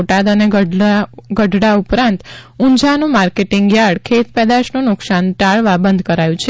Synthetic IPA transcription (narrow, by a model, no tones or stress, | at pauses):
ʈad̪əneɡəaɡəɖʱɽaupɾãnt̪ũɲd͡ʒanũmaɾkeʈiŋɡjaɽkʰet̪pɛd̪aʃnũnʊksanʈaɭʋabənd̪ʱkəɾajũt͡ʃʰe